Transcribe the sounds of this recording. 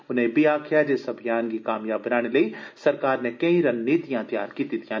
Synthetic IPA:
ʊnɦẽbiaːkʰijad͡ʒeːsɐbʱijaːnkikaːmjaːbːɐnaːɽ̃elɐisɐɾkaːɾnẽkɐ̃ĩɾɐnːiːt̪ijãt̪ija̰ːɾkiːt̪it̪jã

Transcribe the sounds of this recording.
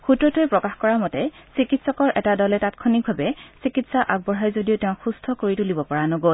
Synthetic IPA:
xutɹɔtojpɹɔkaxkɔɹamɔtɛsikitsɔkɔɹʔɛtadɔlɛtatkʰɔnik̚bʱabɛsikitsaʔaɡ̚bɔɹɦajzodiotɛʊ̃xustʰɔkoɹitʊlibɔpɔɹanɔɡol

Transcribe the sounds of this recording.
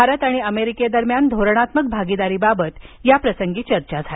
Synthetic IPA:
aɾət̪aɽ̃iəmeɾiked̪əɾmjand̪ʱoɾɽ̃at̪mək̚bʱaɡid̪aɾiːbabət̪japɾəsəŋɡiːt͡ɕəɾt͡ɕad͡zʱae

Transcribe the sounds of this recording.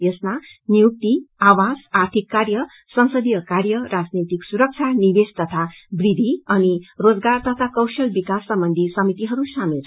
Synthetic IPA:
jesmanijuk̚t̪iawasart̪ʰikːaɾjʌ | sʌ̃ñsʌd̪ijʌkaɾjʌɾad͡znet̪iksuɾʌk̚t͡sʰanibest̪ʌt̪ʰa | brid̪ʱiʌnirod͡zɡart̪ʌt̪ʰakʌwsʌlbikasːʌmbʌnd̪ʱisʌmit̪iɦʌɾusamiɾ

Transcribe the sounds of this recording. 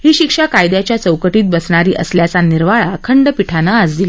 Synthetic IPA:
ɦiːɕikʂakajd̪jat͡ɕjat͡səwkəʈiːt̪̚bəsɳ̃aɾiːʔəsljat͡saniɾʋaɭakʰəɳɖəpiʈʰanaːd͡zd̪ili

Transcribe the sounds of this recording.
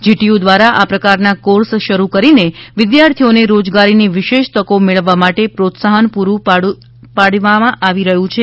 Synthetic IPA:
d͡ʒiʈiud̪ʋaɾaʔapɾəkaɾnakoɾsʃəɾukəɾineʋɪd̪jaɾt̪ʰioneɾod͡ʒɡaɾiniʋɪʃeʃt̪əkomeɭəʋːamaʈepɾot̪saɦənpuɾũa | paɽʋamãʔaʋiɾəɦũt͡ʃʰe

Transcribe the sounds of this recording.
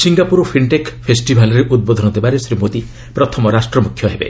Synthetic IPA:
siŋɡapuɾɔpʰiɳʈekpʰesʈibʱalɔɾeʔud̪̚bod̪ʱɔnɔd̪ebaɾesɾimot̪i | pɾɔt̪ʰɔmɔɾasʈɾɔmukʰjɔɦebḛ

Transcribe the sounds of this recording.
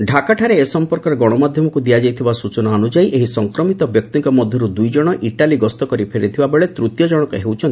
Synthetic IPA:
ɖʱakaʈʰaɾeːsɔmpɔɾkɔɾeɡɔɽ̃ɔmad̪ʱjɔmɔkud̪ijad͡ʒajt̪ʰibasut͡ʃɔnaːnud͡ʒajʔeɦisɔŋkɾɔmit̪ɔbjɔk̚t̪iŋkɔmɔd̪ʱjɔɾud̪ujd͡ʒɔɽ̃ɔʔiʈaliɡɔst̪ɔkɔɾipʰeɾit̪ʰibabeɭet̪ɾut̪jɔd͡ʒɔɽ̃ɔkeɦewt͡ʃʰɔnt̪i

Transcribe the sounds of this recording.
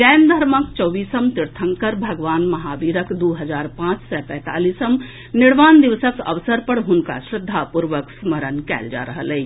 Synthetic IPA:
d͡ʒɛnd̪ʱəɾməkt͡ʃɔʋiːsəmt̪iɾt̪ʰəŋkəɾbʱəɡʋaːnmɐɦaʋiːɾəkd̪uɦəd͡ʒaːɾpãt͡ʃsɛpɛ̃ːt̪aːliːsəm | niɽʋaːnd̪iʋsəkə̰ʋsəɾpəɽɦunka̰ʃɾɪd̪ʱːapuɾʋəksməɾənkɛ̰ːld͡ʒa̰ɾəɦələː

